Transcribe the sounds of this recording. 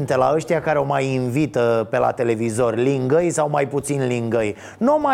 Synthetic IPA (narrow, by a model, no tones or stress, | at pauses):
nt̪elaəʃt̪ijakaɾeo̞majinvit̪əpe̞la̰t̪e̞le̞vizo̞rʲliŋɡəjsawmajput̪sinliŋɡəj | numa